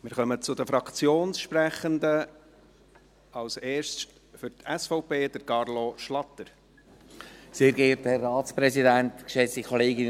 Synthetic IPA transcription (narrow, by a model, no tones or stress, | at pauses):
mɪːɾχœmət͡sʊdəfɾɑkt͡sjoːnsʃpɾɛχənd̪ə | ɑwseːʃtt | fʏɾtʰɛsfɔʊpeːd̥̪əɾkɑɾloʃlɑt̪ːəɾ | seːɾɡeːtɛrːaːtspɾɛsidænt̪kʃɛt͡sikʰɔleːɡɪn